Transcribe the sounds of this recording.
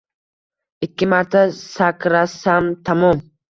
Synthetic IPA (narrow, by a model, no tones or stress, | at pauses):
ɪkʲːɪmaɾt̪ʰasakɾasamt̪ʰɐmom